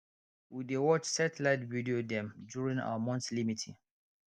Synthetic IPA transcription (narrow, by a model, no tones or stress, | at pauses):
widewɔt͡ʃsɛtɛlaɪtvidiodɛ̃md͡ʒuɹĩŋa̰wəmɔ̃ntslimitʰḭ